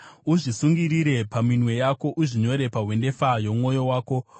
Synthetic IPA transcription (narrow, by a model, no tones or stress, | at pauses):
uʐisuŋɡiɾiɾe̞paminwe̞jako̞ʔuʐiɲo̞ɾe̞paɦwe̞nde̞fajo̞mumo̞jo̞waːko̞